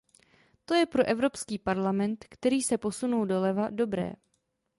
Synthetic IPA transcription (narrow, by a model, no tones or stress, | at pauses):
t̪o̞jɛpɾo̞ʔɛvɾo̞pskiːpaɾlamɛnt̪kt̪ɛɾiːsɛpo̞sunuldo̞lɛvado̞bɾɛ̰ː